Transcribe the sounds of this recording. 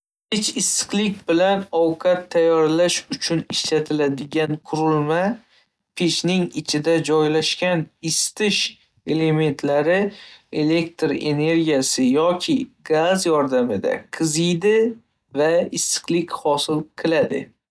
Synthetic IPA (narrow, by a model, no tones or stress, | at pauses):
pʰet͡ʃɪst̪ɨ̥qlɪkʲbɪlanɒwqʰɑt̪ʰːajːɒɾlaʃʊt͡ʃʰʊnɪʃlat̪ʰɪlad̪ɪɡʲanqʰʊɾɪlma | pʰet͡ʃnɪŋɪt͡ʃʰɪd̪ad͡ʒɒjlaʃkʲanɪst̪ɪʃ | e̞le̞me̞nt̪ʰlaɾɪe̞le̞kt̪ɾe̞̰ne̞ɾɡʲijasɪjɒkʲʰɪɡazjɒɾd̪amɪd̪a̰qʰɨzɪjd̪ɪ | vaɪst̪ɨ̥qlɪkʲhɒsɪlqʰɨlad̪ɪ̰